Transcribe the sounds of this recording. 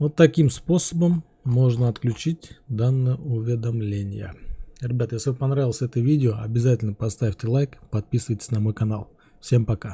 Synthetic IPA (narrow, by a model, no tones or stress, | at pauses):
vo̞t̪ːɐkʲimspo̞səbəmː | o̞ʐnəɐt̪klʲʉt͡ɕitʲd̪anːɨjəʊvʲɪd̪ɐmlʲenʲɪjə̰ɾʲɪbʲat̪əjesʲlʲɪvɨpɐnɾavʲɪlˠəsʲɛt̪əvʲidʲɪoɐbʲɪzatʲɪlʲnəpɐst̪avʲtʲɪlˠajkpɐt̪̚pʲisɨvəjtʲɪ̥sʲnɐmo̞jkɐnalˠ | fsʲe̞mpɐka